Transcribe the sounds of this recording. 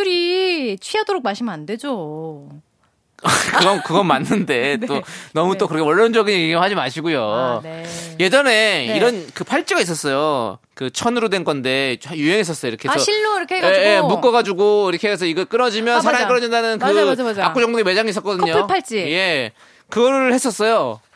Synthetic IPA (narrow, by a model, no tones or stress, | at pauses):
uɾit͡ɕʰwiadoɾok̚maɕʰimɯande̞d͡ʑo | kɯɡʌnkɯɡʌnmanːɯnde̞t͈onʌmut͈okɯɾʌkʰeʌɭːʌnd͡ʑʌɡinjeɡiɡiɭhad͡ʑimaɕʰiɡujo | je̞d͡ʑʌne̞iɾʌnkɯpʰaɭt͡ɕ͈iɡais̬͈ʌs͈ʌjo | kɯt͡ɕʰʌnɯɾodwenɡʌnde̞juɦe̞ŋɦes͈ʌs͈ʌjoiɾʌkʰesʌɕʰinoiɾʌkʰeeɡjemuk͈ʌɣad͡ʑuɡoiɾʌkʰes̬ʰʌiɡʌk͈ɯɾʌd͡ʑimjʌnsʰaɾaŋikɯɾʌd͡ʑindanɯnkɯad͡ʑomaakk͈ud͡ʑʌŋdoŋimed͡ʑaŋis͈ʌk͈ʌdɯɲopʰɯɭpʰaɭt͡ɕ͈ije̞ | kɯɡʌɾɯɭhes͈ʌs͈ʌjo